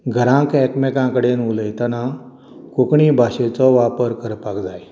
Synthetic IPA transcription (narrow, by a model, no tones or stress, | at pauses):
ɡʱəɾãkɛkmekãkəɽenuləjt̪ənã | kokɳiːbʱaɕet͡sɔʋapəɾkəɾpakd͡zaj